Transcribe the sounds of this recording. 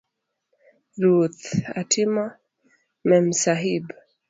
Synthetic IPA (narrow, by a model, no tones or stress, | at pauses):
ɾuθa̰tima | mɛmsaɦib